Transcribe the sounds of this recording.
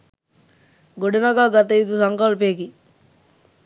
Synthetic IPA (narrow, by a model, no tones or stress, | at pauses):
ɡoɖenaɡaːɡat̪̬eit̪usɐŋkalpeɡi